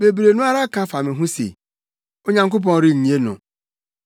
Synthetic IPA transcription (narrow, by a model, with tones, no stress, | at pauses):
be˨bɾe˨nʊ̃˦a˦ɾa˦kʰã˦fa˨mɪ̃˨ɦũ˦sḛ˨ | o˦ɲã˨ŋkʊ˦p̬ɔ̃˦n˦ɾɪ˦˨ɲĩ˨e˦nʊ̰̃˨